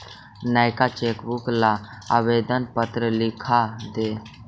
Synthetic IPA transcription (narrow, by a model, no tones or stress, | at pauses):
naːɪkat͡ʃeːkbuklaa̰ːʋeːd̪ənpət̪ɾəlɪkʰad̪eː